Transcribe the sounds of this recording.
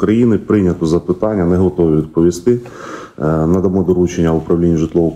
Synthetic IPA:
kɾɐjinɪpɾɪnʲɐt̪ɔzɐpɪt̪ɑnʲːɐnɛɦɔt̪ɔʋʲiʋʲid̪̚pɔʋʲist̪ɪ | nɐd̪ɐmɔd̪ɔɾut͡ʃenʲːɐʊpɾɐwlʲinʲːiʒɪt̪lˠɔʋɔ

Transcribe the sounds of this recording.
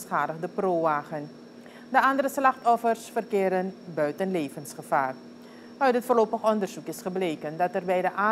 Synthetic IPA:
sχaːdəχdəproːaːχən | dəʔɑndəɾəslɑχtɔfərsfərkɪːɾənbœɥtənleːvənsχəfaːr | œɥtɦətfʊːrlowpəχɔndərz̥ukɪsχəbleːkəndɑtɛrbɛjdəʔaː

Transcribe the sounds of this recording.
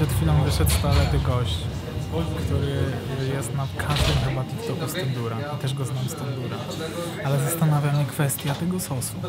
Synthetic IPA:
ɛt̪xʲfʲilɔ̃w̃vɘʂɛt̪st̪alɛt̪ɪɡɔɕt͡ɕ | kt̪uɾɘ | jɛst̪nakʰaʐd̪ɛmxɛbat̪ʲift̪ɔkust̪ɛnd̪uɾait̪ɛʐɡɔznamst̪ɛnd̪uɾa | alɛzast̪anavʲjamɲɛkfɛst̪ʲjat̪ɛɡɔspɔsu̥p

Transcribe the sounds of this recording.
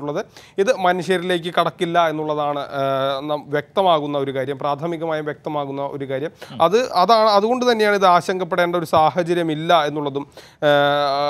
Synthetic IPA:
uɭːɐðɨ | iðɨmɐnuɕjɐɾile̞ːk̬ʲːɨkɐɽɐkːilːɐe̞nːuɭːɐðaːɳɨnɐmʋjek̚t̪ɐmaːɣunːɐo̞ɾukaːɾjɐmpraːt̪ʰɐmiɣɐmaːjumʋjek̚t̪ɐmaːɣunːɐo̞ɾukaːɾjɐmɐðɨɐðaːɳɨɐðuɣo̞ɳɖut̪ɐnːejaːɳiðɨaːɕɐŋɡʱɐpːe̞ɽeːɳɖɐo̞ɾusaːɦɐt͡ɕɐɾjɐmilːɐe̞nːuɭːɐðum

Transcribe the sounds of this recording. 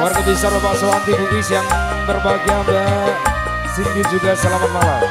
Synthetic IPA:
arkabisababasolant̪ibuʔisjaŋ | bərbaɡiaba | sindid͡ʒuɡasəlamamala

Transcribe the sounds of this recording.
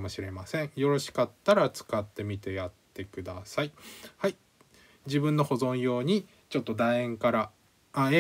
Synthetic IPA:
mo̞ɕiɾe̞masẽ̞ɰ̃jo̞ɾo̞ɕi̥kat̪ːaɾat͡sɨ̥kat̪ːe̞mʲit̪e̞jat̪ːe̞kɯ̟d̪asaihai | d͡ʑibɯ̟̃nːo̞ho̞zõ̞ɰ̃jo̞ːɲ̟i | t͡ɕo̞t̪ːo̞d̪aẽŋkaɾa | a

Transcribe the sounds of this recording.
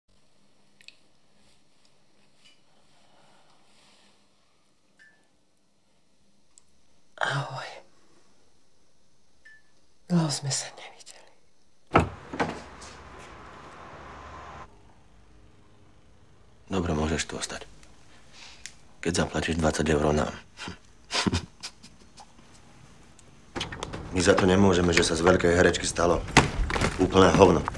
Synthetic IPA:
ahɔj | zmɛsḁɲɛviɟɛli | d̪ɔbɾɛmʊɔʒɛʃt̪uɔst̪ac | kɛɟzaplaciʒd̪ʋat͡saɟɛʊɾɔʊna̰ːm | mizat̪ɔɲɛmʊɔʒɛmɛʒɛsazʋɛʎkɛjɦɛɾɛt͡ʃkist̪alɔ | uːpl̩nɛːɦɔʊnɔ

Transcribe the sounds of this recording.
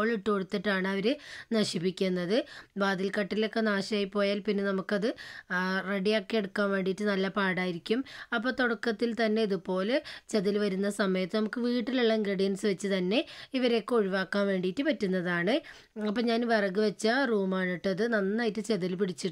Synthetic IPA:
oɭiʈːoɽut̪ːiʈːaːɳɨɐʋɐɾenɐɕipːikʲːunːɐðɨbaːd̪ilkɐʈːilokːe̞naːɕɐaːjipːo̞ːjaːlpinːe̞nɐmukːɐðɨ | re̞ɽijokːeeɽukːaːnʋe̞ːɳɖijːtːɨnɐlːɐpaːɽaːjiɾikʲːumɐpːo̞ːt̪oɽɐkːɐt̪ːilt̪ɐnːe̞iðupo̞ːlet͡ɕeðilʋɐɾunːɐsɐmɐjɐt̪ːɨnɐmukːɨʋiːʈːiluɭːɐŋɡrɐɽijɐnsɨʋɐt͡ɕːɨt̪ɐnːe̞iʋɐɾe̞kːo̞ɻiʋaːkːaːnʋe̞ːɳɖijːtːɨpɐtːunːɐðaːɳɨ | ɐpːɐːɲaːnʋɐrɐɡɨʋɐt͡ɕːɐruːmaːɳiʈːɐðɨnɐnːaːjitːɨt͡ɕeðɐlpiɽit͡ɕːiʈː

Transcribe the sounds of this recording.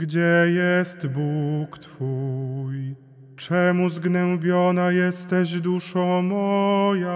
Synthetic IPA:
ɡd͡ʑɛjɛst̪bukt̪fuj | t͡ʂɛmuzɡnɛmbʲjɔnajɛst̪ɛʑd̪uʂɔ̃mɔja

